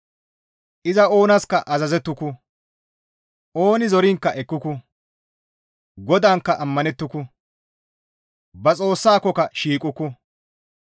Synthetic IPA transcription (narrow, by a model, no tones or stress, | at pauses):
ʔɪzɐo̞ːnɐskɐʔɐzɐzɛt̪ːʊkʊ | ʔo̞ːnɪzɔɾɪŋkːɐʔɛkːʊkʊ | ɡɔd̪aːŋkːɐʔɐmːɐnɛt̪ːʊkʊ | bɐt͡sʼo̞ːsːaːkɔkɐʃiːkʼʊkʊ